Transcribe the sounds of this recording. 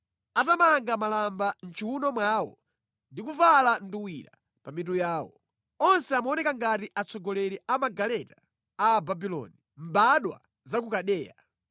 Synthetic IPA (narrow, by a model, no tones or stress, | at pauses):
atamaŋɡamalamban̩t͡ʃʰiwunɔmwaːwɔ̰ | ndik̬uvalanduwiɾa̰ | pamit̬ujaːwɔ̰ | ɔnsɛamaɔnɛkaŋɡatiʔat͡sʰɔɡɔlɛɾɛʔamaɡalɛtaː | babilɔ̰ni | mbaɗwa̰ | zakukaɗɛːja